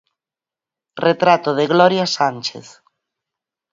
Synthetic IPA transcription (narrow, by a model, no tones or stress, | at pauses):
ret̪ɾat̪oðeɣlɔɾjasant͡ʃḛθ